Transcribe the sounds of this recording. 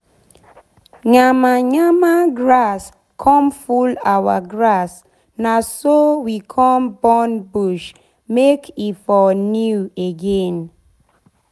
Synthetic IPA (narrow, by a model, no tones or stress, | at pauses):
ɲamaɲamaɡɹas | kʰɔ̃mfulawa̰ɡɹas | nasowikʰɔmbɔnbuʃ | mekʰifɔnjueɡen